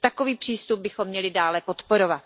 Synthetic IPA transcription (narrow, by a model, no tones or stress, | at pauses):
t̪ako̞viːpr̥iːst̪ub̚bɪxo̞mːɲɛlɪdaːlɛpo̞t̪po̞ɾovat̪